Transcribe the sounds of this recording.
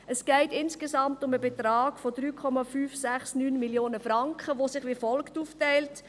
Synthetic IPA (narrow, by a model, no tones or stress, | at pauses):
əsɡ̥ɛɪtɪnskesɑmtʊməbetraːɡ̥fodɾyːkʰɔmɑfyːfsæχsnyːnmiljoːnəfrɑŋkχəʋosɪχʋifɔlktuːftɛɪlt